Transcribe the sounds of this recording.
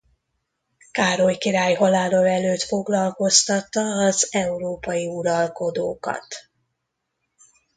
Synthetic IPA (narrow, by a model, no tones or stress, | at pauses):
kaːɾojkiɾaːjɦɒlaːlolɛløːt̪fo̞ɡlɒlko̞st̪ɒt̪ːɒːzɛuɾoːpɒjiuɾɒlko̞d̪oːkɒ̰t̪